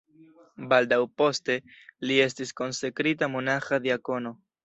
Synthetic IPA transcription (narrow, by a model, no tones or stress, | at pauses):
baldawpo̞ste̞lie̞stisko̞nsekɾitamonaxad̪iako̞no̞